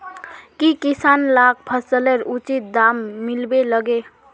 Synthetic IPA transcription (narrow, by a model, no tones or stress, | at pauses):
kikisanlak̚ʰpʰəsəleɾut͡ʃit̪̚d̪amːilbeləɡe